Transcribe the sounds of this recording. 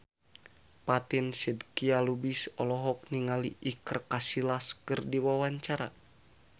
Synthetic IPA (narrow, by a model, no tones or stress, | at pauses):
pat̪insɛdkialubisɔlɔɦɔk̚niŋaliʔikərkasilaskɨrdiwawaɲt͡ʃaɾa̰